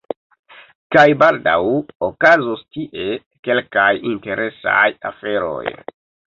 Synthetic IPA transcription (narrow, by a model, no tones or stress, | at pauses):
kajbalda̰wokazostiʔe̞ | ke̞lkajinte̞ɾʔe̞sa̰ja̰fe̞ɾo̞̰j